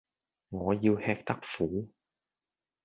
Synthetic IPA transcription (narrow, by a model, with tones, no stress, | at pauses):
ŋɔː˨˧ji˧whɛː˧k̚t̪ɐ˥k̚fuː˨˩˥